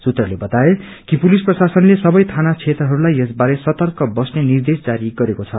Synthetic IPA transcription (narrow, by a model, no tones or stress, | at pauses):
sut̪rʌlebʌt̪ae | kipulisprʌsasʌnlesʌbʌjt̪ʰanat͡sʰet̪rʌɦʌɾulajesbaɾesʌt̪ʌrkʌbʌsnenird̪esd͡zaɾiɡʌɾekot͡sʰʌ